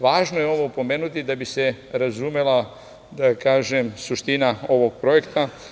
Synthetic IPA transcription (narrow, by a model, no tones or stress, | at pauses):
ʋaːʒnojeo̞ʋopo̞me̞ːnut̪id̪abiseɾazumela | d̪akaːʒemsuʃt̪inao̞ʋoɡ̚pɾo̞je̞kt̪a